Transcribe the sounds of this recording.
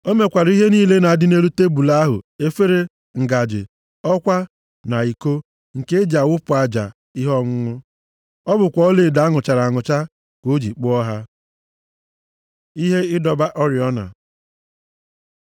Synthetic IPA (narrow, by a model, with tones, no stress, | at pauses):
o˦me˨kʷa˨ɾi˦ɦe˦niː˦le˦na˨a˨dɪ˦ne˦ɾu˦te˦bu˨la˦a˦ɦʊ̰˨e˦fe˦ɾe˦ | ŋ̩˨ɡa˨d͡ʒɪ̰˨ | ɔ˦kʷa˦ | na˨i˨ko˦ | ŋ̩˨ke˦d͡ʒa˨wʊ˦pʊ˨a˨d͡ʒa̰˨ | i˦ɦɔ˦ŋʊ˦ŋʊ˦ | ɔ˦bʊ˨kʷɔ˨˦ɔ˦le˨da˨˦ŋʊ˨t͡ʃa˨ɾa˨ŋʊ˨t͡ʃa˦ | ko˨˦d͡ʒi˨k͡pʊ˦ɔ˦ɦa˦ | i˦ɦe˦ɪ˦dɔ˨ba˦ʔɔ˦ɾɪ˨ɔ˦na̰˨